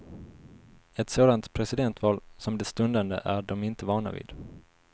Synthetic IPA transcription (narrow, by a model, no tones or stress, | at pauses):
ɛt̪soːd̪ant̪pʰɾɛsɪd̪ɛnt̪vɑːlsɔmd̪ɛst̪ɵnd̪and̪ə̰ʔæɖɔmɪnt̪əvɑːɳa̰vḭːd̪̥